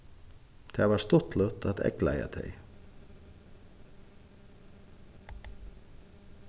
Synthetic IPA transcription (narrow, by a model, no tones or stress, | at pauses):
d̪̥ʰeːʋɑːst̪ɔt̪ʰlœt̪ʰɑt̪ɛ̰klæɪɑ̰d̪ʰḛɪ